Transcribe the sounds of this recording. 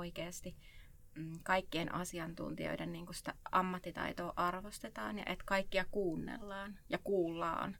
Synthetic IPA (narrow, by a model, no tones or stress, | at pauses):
oikeːst̪i | kɑikːienʔɑsiɑnt̪ṵnt̪ḭo̰idenniːŋkusi̥t̪æɑmːɑt̪ːit̪ɑ̰it̪oːʔɑrʋost̪et̪ɑ̰ːnjɑ̰ʔet̪kɑikːiɑkuːnːḛlːɑːnjɑkuːlːɑ̰ːn